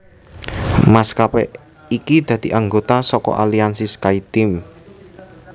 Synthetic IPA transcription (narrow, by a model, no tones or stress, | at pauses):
maskapɛ | ikid̪̥ä̤d̪̥i̤ʔaŋɡot̪asɔkɔ̰ʔaliansiskait̪ɪm